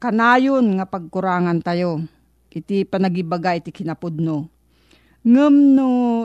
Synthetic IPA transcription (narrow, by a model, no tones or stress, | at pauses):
kɐnaːjonŋapɐɡ̚kʊɾaːŋant̪ajo | ʔɪt̪ipɐnɐɡibaɡaʔɪt̪ikɪnɐpʊd̪̚no | ŋəmno